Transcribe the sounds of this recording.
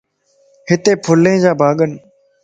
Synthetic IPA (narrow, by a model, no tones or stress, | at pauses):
hɪt̪eːpʰʊlẽːd͡ʒaːbʱaːɠən